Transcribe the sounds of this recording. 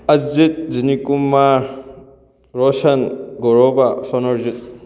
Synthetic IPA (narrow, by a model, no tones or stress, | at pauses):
ɐd͡ʒit̪̚zinikumaɾ | ɾɔsɐnɡɔɾɔbasɔnɔɾzit̪̚